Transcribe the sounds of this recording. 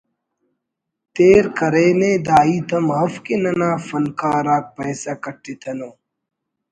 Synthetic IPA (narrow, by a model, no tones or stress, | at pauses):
t̪eːɾkɐɾeːneːd̪aːiːt̪ɐmɦɐfkenɐnaːfɐnkaːɾaːk̚pɐːsɐkɐʈːet̪ʰɐnoː